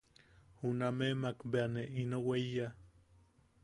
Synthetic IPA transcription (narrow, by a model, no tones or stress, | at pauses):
hunamemakbeaneinoweija